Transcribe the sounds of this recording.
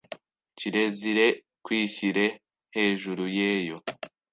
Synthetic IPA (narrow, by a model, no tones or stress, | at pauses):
ciɾe̞ziɾe̞ | kwiːçiɾe̞ | he̞ːʒuɾujeːjo̞